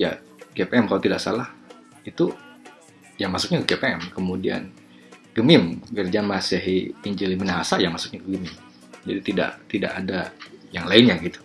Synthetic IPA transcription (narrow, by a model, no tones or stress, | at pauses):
ja̰ | kepeɛmkalat̪idaksalah | it̪u | jaŋmasʊk̚ɲakəkepeɛmkəmudia̰n | ɡ̥əmɪmkərd͡ʒamasəɦiiɲd͡ʒəlimənaɦasajaŋmasʊ̥k̚ɲakəɡəmɪm | d͡ʒadit̪ida̰ʔt̪ida̰ʔadajaŋlaɪnɲaɡit̪u̥